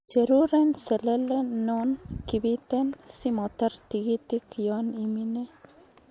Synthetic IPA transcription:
d͡ʒeɾuɾenselelenonkibit̪ensimɔt̪ɐɾt̪iɡit̪ikjɔnimine

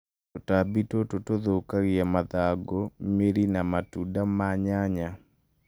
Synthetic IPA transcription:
otabitototoðokaɣɪjamaðaɡomeɾinamatudamaɲaɲa

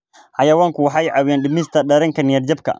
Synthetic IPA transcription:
ħɑjɐwaːŋkʰʊwɑħɑjʕɑwjɛːnɗɪmɪst̪ʰɐɗɐɾɐŋkʰɐnɪjɐrd͡ʒɐb̚kʰɐ̰

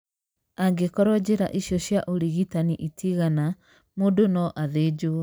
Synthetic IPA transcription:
aɡekɔɾɔd͡ʑeɾa̰ʔiɕjɔɕjaʔoɾiɣitaniʔitiɣana | modonɔʔaðed͡ʒo

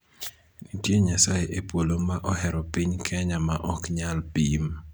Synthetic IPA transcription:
nitjeɲasajeʔepolomaʔɔhɛɾɔpiɲkʰɛɲamaʔɔkɲalpim

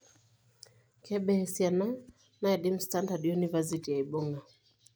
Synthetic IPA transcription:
kʰɛɓɛɛsjana | naɛɗimstandadjunivaz̬itijaiɓɔŋɡa

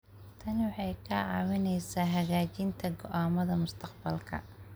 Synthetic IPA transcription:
t̪ʰɐnɪwɑħɑjkʰɐʕɑ̰ːwɪnɛjsaːɦɐɣaːt͡ʃɪnt̪ʰɐɡɔ̰ʔaːmɐðɐmʊst̪ʰɐqbɐlkʰɐ̰

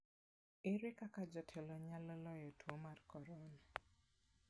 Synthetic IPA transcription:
ɪɾwekakad͡ʒɔtʰɛlɔɲalɔlɔjɔtwomarkɔɾɔna

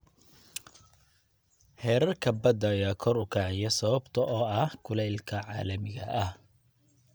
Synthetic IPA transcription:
hɛːɾɐrkʰɐbɐd̪ɐjɐkʰɔɾʊkʰaːʕɪjɐsɐβɐbt̪ʰɐʔɔːɐhkʰʊlɛjlkʰɐʕɑ̰ːlɐmɪɣɐʔɐh

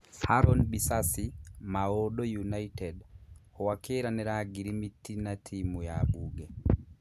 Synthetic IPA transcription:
haɾɔnbisasimaoɗojunaitɛdɔwakeɾanɛɾaɡiɾimitːinatʰimujabuɡɛ

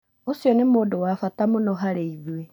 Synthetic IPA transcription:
osjɔnɪmodowafatamʊnɔɦaɾeiβuwe

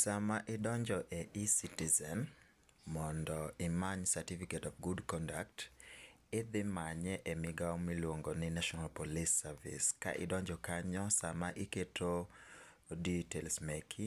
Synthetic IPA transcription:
samaʔɪdɔɲd͡ʒɔʔɛisitizɛn | mɔndɔɪmaɲsatifiketɔfɡudkɔndak̚t | ɪd̪ɪmaɲɛʔɛmɪɡaɔmilwoŋɡonɪnaʃɔnalpolisːavḭska̰ʔɪ̰dɔɲd͡ʒɔkaɲɔsamaʔɪketʰo | ditelsmekʰi

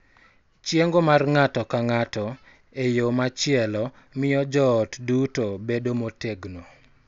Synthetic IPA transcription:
t͡ʃjeŋɡomarŋatɔkaŋatɔ | ejomat͡ʃɪɛlɔ | mɪjɔd͡ʒɔːtdutobedomoteɡno

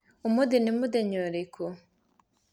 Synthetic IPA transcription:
umudinimud̪eɲoɾiko

